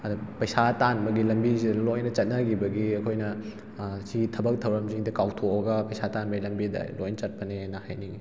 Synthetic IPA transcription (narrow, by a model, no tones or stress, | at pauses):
ɐdupɐjsatanbɐɡilɐmbizidɐlojnɐt͡ʃɐt̚nɐɡibɐɡiɐkʰojnɐ | siɡitʰɐbɐk̚tʰɐwɾɐmziŋdɐkawtʰoɐɡɐpɐjsatanbɐɡilɐmbidɐ̰lojnɐt͡ʃɐt̚pɐneajnɐhajniɡi